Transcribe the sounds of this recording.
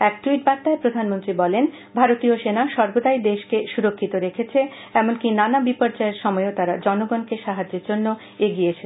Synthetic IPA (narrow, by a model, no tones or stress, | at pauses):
ɛk̚ʈuiʈbat̪ːaepɾod̪ʱanmont̪ɾibɔlen | bʱaɾot̪ioʃenaʃɔɾbod̪aid̪eʃkeʃuɾokʰːit̪oɾekʰet͡ɕʰe | ɛmonkinanabipoɾd͡ʑaeɾʃɔmɔeot̪aɾad͡ʑɔnoɡɔnkeʃaɦad͡ʑːeɾd͡ʑonːo | eɡijet͡ɕʰe